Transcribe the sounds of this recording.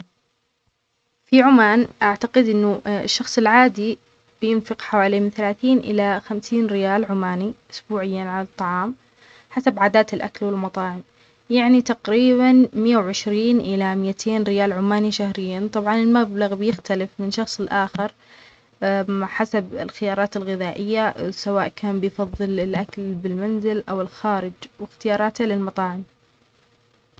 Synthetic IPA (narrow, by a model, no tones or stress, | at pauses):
fiʕʊmaːnʔaʕt̪aqɪd̪ʔɪnːʊɪ̰ʃːɑxsˤɨlʕaːd̪i | b̥jɪnfɪqħawaːliːmɪnθalaːθiːnʔɪ̰laxamsiːnɾɪjaːlʕʊmaːniʔʊ̥sbuːʕɪjːanʕalɑt̪ˤːɑʕɑːm | ħasabʕaːd̪aːt̪ɪlʔa̰kalwɪlmɑt̪ˤɑːʕɪm | jaʕnit̪aqɾiːbanmɪjːawʕɪʃɾiːnʔɪlamɪjat̪ʰeːnɾɪjaːlʕʊmːaːniʃahɾɪjːant̪ˤɑbʕɑnɪlmablaɣbjɪxt̪alɪfmɪnʃɑxsˤɪlʔaːxɪɾ | maħasabɪlxɪjɑːɾˤɑːt̪ɪlɣɪðaːʔɪjːasawaːʔkʰaːnbɪjfɑðˤːɨlɪlʔakalbɪlmanzɪlʔawɪlxaːɾɪd͡ʒwɪxt̪ɪjɑːɾˤɑːt̪halɪlmɑt̪ˤɑːʕɪm